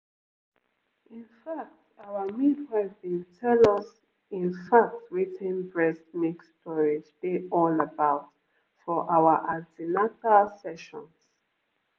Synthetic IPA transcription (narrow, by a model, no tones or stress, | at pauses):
ĩnfak̚tawəmĩdhavbĩntʰɛləs | ĩnfak̚tɹitɛ̃nbɹɛsmikstʰɔɹid͡ʒdeʔɔləbaʊt | fɔʔawəʔasinakalsɛʃɔ̰̃ns